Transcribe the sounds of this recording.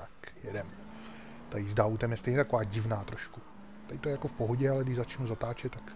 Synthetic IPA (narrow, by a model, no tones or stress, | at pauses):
akjɛdɛm | t̪ajizdaut̪ɛmjɛst̪ɛjɲɛt̪akovaːɟɪvnaːt̪ɾoʃku | t̪ajɪt̪ojɛjako̞fpoɦoɟɛalɛɡdɪʒzat͡ʃnuzat̪aːt͡ʃɛt̪ːak